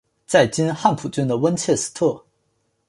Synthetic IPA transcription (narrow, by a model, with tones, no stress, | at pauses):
t͡sa˥˩ɪt͡ɕi˥nxa˥˩npʰu˨˩t͡ɕy˥nd̪ə˨wə˥nt͡ɕʰjɛ˥˩sɹ̩̥˥t̪ʰɤ˥˩